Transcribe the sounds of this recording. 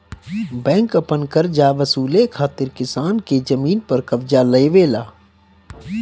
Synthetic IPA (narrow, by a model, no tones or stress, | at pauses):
bɛ̃ːŋkɐpənkəɾd͡ʒaːʋɐsuːlekʰaːt̪ɪɾkɪsaːnked͡ʒɐmiːnpɐɾkɐʋd͡ʒalɐeʋeːla̰ː